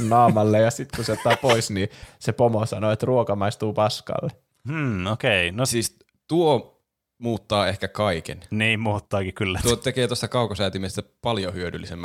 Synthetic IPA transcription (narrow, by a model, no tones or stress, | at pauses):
nɑːmɑlːejjɑsit̪kuseot̪ːɑːpoisnisepomosɑnoet̪ruokɑmɑist̪uːpɑskɑ̰lːe | mm̩ːokeinosiːs | t̪uo | muːt̪ːɑːehkækɑikḛnniːmmuːt̪ːɑːkikylːæt̪uot̪ekeːt̪ost̪ɑkɑˑukosæːt̪imest̪æpɑljohyødylːisemːæ